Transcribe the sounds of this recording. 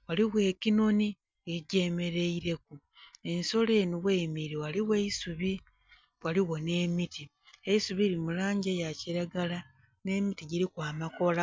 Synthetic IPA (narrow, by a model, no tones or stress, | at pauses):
waliɣwe̞ːkino̞ni | eɟe̞me̞ɾe̞iɾe̞ku | e̞nso̞le̞ːnuɣweːmiɾiwaliweisuβi | waliɣo̞ne̞ːmiti | eisuβiːɾimulaːɲɟejaciɾaɡala | ne̞ːmitiɟiɾikwaːmako̞la